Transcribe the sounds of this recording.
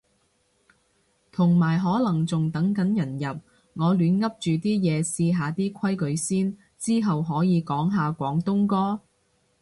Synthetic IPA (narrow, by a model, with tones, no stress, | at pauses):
t̪ʰʊ˨˩ŋmaː˨˩jɦɔː˨˥lɐ˨˩ŋt͡sʊ˨ŋt̪ɐ˨˥ŋkɐ˨˥njɐ˨˩njɐ˨p̚ | ŋɔː˨˧lyː˨˥nŋɐ˥p̚t͡ʃyː˨t̪iː˥jɛː˨˧siː˧ɦaː˨˧t̪iː˥kʷʰɐ˥jkɵ˨˧ɥsiː˥n | t͡siː˥ɦɐ˨wɦɔː˨˥jiː˨˧kɔː˨˥ŋɦaː˨˧kʷɔː˨˥ŋt̪ʊ˥ŋkɔː˥